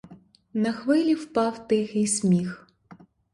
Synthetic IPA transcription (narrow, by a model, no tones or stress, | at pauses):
nɐxʋɪlʲiwpɑwt̪ɪxisʲmʲix